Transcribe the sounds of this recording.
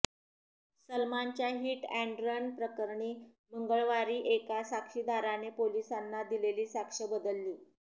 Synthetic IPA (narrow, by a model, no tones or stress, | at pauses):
səlmaɲt͡ɕjaɦiːʈæ̃ɳɖɾəɳpɾəkəɾɳiː | məŋɡəɭʋaɾiːʔekasakʂiːd̪aɾanepolisanːad̪ileliːsakʂəbəd̪əlːiː